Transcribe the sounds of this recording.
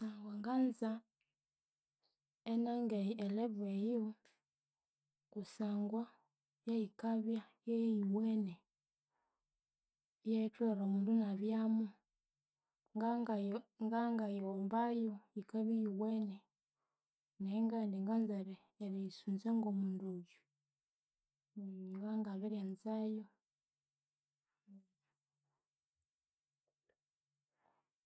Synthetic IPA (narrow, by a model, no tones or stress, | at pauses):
usaːŋɡwaŋɡanza | enaŋɡeeleβwejo | kusaːŋɡwa | jaikaβjajejiwene | jetweɾomundunaβjamu | ŋ | ŋɡaŋɡajoːmbajoikaβijuweːne | najeŋɡaːndiŋɡanzaɾeːɾiisuːnzeŋɡomuːnduɟu̥ | iβaŋɡaβeɾjanzajo